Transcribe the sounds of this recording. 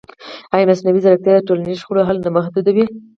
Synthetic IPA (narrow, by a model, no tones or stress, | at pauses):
ajnasnawizaɾak̚t̪jɑd̪əʈolanizʃxoɽoɦalnaməxd̪ud̪awi